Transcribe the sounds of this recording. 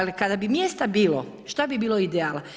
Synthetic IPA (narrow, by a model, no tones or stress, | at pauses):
likad̪abimjest̪abiːlo̰ | ʃt̪abibiːlˠoid̪eaːla